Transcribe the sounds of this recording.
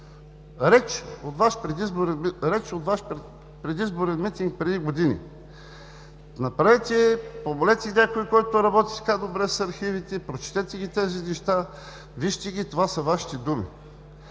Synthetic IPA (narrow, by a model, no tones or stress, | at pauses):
ɾɛt͡ʃot̪vaʃpɾɛd̪izboɾɛɾɛt͡ʃot̪vaʃp | pɾɛd̪izboɾɛnmit̪iŋk̚pɾɛd̪iɡod̪inḭ | nɐpɾavɛt̪ʲɛpobolɛt̪ʲɛnʲakoikɔjt̪oɾɐbɔt̪i̥t̪kad̪obɾɛsɐɾxivit̪ɛpɾot͡ʃi̥t̪ɛt̪ɛɡʲit̪ɛzinɛʃt̪a | viʃt̪ɛɡʲit̪ovasɐvaʃi̥t̪ɛd̪umḭ